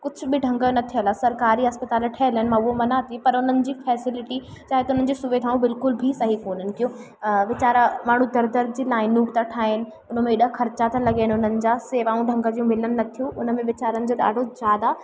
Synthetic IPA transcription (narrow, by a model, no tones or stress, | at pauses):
kʊd͡ʑʱʊ̆bɪɖʱɐ̃ŋɡənɐt̪ʰijəlasɐɾkaːɾiɐspɐt̪aːlʈʰɐɦlɪnɪ̆mãʊɦomɐnat̪ʰipɐɾʊn̤ənɪ̆d͡ʑiːfɛːsɪlɪʈi | t͡ɕaːɦet̪ɐʊnənɪ̆d͡ʑesʊʋeːd̪ʱaːũbɪlkʊlbʱisɐɦikoːnənɪ̆kijo | ʋɪt͡ɕaːɾəmaːɳ̤ũd̪ɐɾd̪əɾd̪ʱd͡ʑiːlaːɪnʊːkt̪aʈʰaːɪnɪ̆ | ʊnəmẽɪɗəɦxʰɐɾt͡ɕat̪ʰɐlɐɡanʊn̤ənɪ̆d͡ʑaːseːʋaːũɖʱɐ̃ŋɡəd͡ʑijũmɪlənɪ̆nɐt̪ʰijũʔʊnə̆mẽʋɪt͡ɕaːɾənɪ̆d͡ʑoɗa̰ːɖʱozjaːd̪a